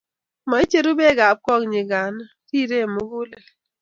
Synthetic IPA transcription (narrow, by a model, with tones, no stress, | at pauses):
ma˨i˦t͡ʃe˦ɾu˦be˦˨ɡa˨b̚kɔ˦˨kɲe˨ɡa˨˦na˦ti˦˨ɾe˦˨mu˦ɡu˦le˨